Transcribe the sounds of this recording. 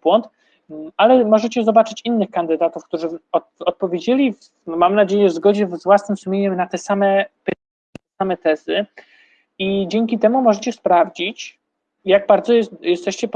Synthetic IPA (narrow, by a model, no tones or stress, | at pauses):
bwɔnt̪ | alɛmɔʐɛt͡ɕɛzɔbat͡ʂɘt͡ɕinːɘxkand̪ɘd̪at̪ufk̚t̪uʐɘɔɔt̪̚pɔvʲjed͡ʑelʲiv | mamnad͡ʑejɛvzɡɔd͡ʑɛvzvwasnɘmsumʲjeɲɛmnat̪ɛsamɛpɘt̪aɲ | ɛt̪ɛsamɛt̪ɛzɘ | id͡ʑɛŋkʲit̪ɛmumɔʐɛt͡ɕɛspɾavd͡ʑit͡ɕ | jaɡ̚baɾd̪zɔjɛjɛst̪ɛɕt͡ɕɛp